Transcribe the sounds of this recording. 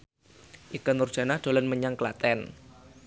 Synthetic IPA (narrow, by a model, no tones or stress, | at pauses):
ʔikɔnʊrd̥ʒ̥a̤nahd̪̥o̤lɔnməɲaŋklat̪ɛn